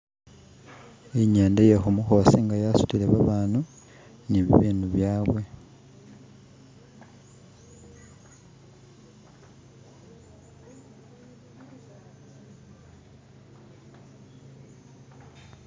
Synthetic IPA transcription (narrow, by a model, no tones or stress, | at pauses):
eiɲaːndejexumuxosiŋɡajasu̥tileβaβaːnu | niβḭβiːnuβjaːβwe̞